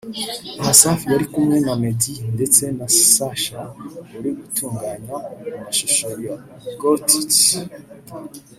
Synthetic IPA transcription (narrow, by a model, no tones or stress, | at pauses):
ahasafijaɾikumŋe̞namedinde̞t͡se̞nasi̥saʃawuɾiɡutuːŋɡaːɲaumumaʃiʃoɾija | ɡotit